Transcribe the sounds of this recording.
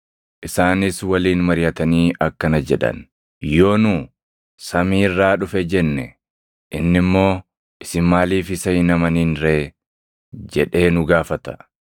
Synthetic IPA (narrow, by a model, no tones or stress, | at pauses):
ʔɪsaːnɪswɐliːnmɐɾɪjɐt̪ɐniːʔɐkːɐnɐd͡ʒɛᶑɐ̰n | jo̞ːnuː | sɐmiːɪrːaːᶑʊfɛd͡ʒɛnːɛ̰ | ʔɪnːɪmːo̞ː | ʔɪsɪmmaːliːfɪsɐjɪnɐmɐniːnɾeː | d͡ʒɛᶑe̞ːnʊɡaːfɐt̪ɐ̥